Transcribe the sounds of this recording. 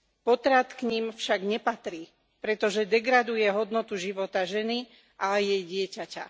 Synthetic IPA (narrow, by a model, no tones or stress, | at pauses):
pɔt̪ɾat̪kɲimfʃaɡɲɛpat̪ɾiː | pɾɛt̪ɔʒɛd̪ɛɡɾad̪ujɛɦɔd̪nɔt̪uʒiʋɔt̪aʒɛni | ʔajɛjɟɪɛcaca̰